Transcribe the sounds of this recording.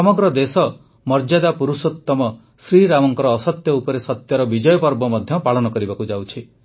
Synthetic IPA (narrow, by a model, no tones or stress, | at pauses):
sɔmɔɡɾɔd̪esɔ | mɔɾd͡ʒad̪apuɾusut̪ːɔmɔ | sɾiɾamɔŋkɔɾɔːsɔt̪jɔupɔɾesɔt̪jɔɾɔbid͡ʒɔjɔpɔɾbɔmɔd̪ʱjɔpaɭɔnɔkɔɾibakud͡ʒawt͡ʃʰi